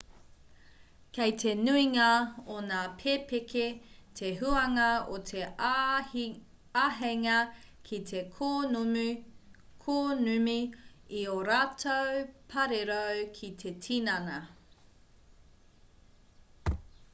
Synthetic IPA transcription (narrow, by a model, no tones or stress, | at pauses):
kɐjtʰenuiŋaonaːpʰepekʰetʰeɦuɐŋɐotʰe | aɦeŋɐkʰit̪ʰekʰo | kʰoːnʉmiioɾaːtʰowpʰɐɾeɾowkʰit̪ʰetʰinɐnɐ